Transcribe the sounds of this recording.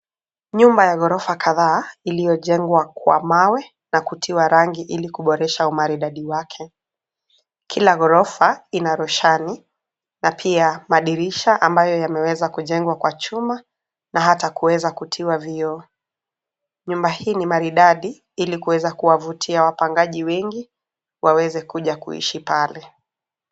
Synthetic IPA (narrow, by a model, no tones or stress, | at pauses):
ɲumbajaɣɔɾɔfakʰaðaːilijɔʄɛŋɡwakwa̰mawɛ | nakutʰiwaɾaŋɡiʔilikuɓɔɾɛʃaumaɾiɗaɗiwakʰɛ | kʰilaɣɔɾɔfainaɾɔʃani | napʰiamaɗiɾiʃaʔambajɔjamɛwɛzakuʄɛŋɡwakwat͡ʃuma | nʔaɦatakuwɛzakutʰiwaviɔ | ɲumbahiːnimaɾiɗaɗi | ilikuwɛzakuwavutʰiawapaŋɡaʄiwɛŋɡi | wʔawɛzɛkuʄakṵḭʃipalɛ